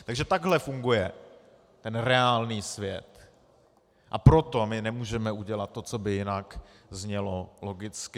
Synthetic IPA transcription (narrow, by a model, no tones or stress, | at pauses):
t̪aɡʒɛt̪aɡɦlɛfuŋɡujɛ | t̪ɛnɾɛaːlniːsvjɛ̰t̪ | ʔa̰pɾo̞t̪o̞mɪnɛmuːʒɛmɛuɟɛlat̪̚ːo̞t͡so̞bɪjɪnak | zɲɛlo̞loɡɪt͡skɪ